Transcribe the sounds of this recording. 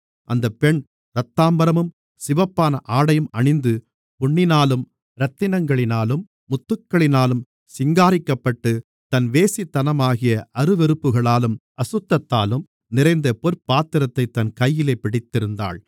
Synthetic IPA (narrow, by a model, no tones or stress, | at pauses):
ʔɐnd̪ɐpɛɳ | ɾɐt̪ːaːmbɐɾɐmɯm | sɪʋɐpːaːnɐʔaːɽɐjɯmɐɳɪnd̪ɯ | pʊɳːɪnaːlɯm | ɾɐt̪ːɪnɐŋɡɐɭɪnaːlɯmːʊt̪ːɯkːɐɭɪnaːlɯm | sɪŋɡaːɾɪkːɐpːɐʈːɯ | t̪ɐnʋeːsit̪ːɐnɐmaːɣɪjɐʔɐɾɯʋɛɾɯpːɯɣɐɭaːlɯmʔɐsɯt̪ːɐt̪ːaːlɯm | nɪɾɐɪnd̪ɐpɔɾpːaːt̪ːɪɾɐt̪ːɐɪt̪ːɐnkɐjːɪleːpːɪɽɪt̪ːɪɾɯnd̪a̰ːɭ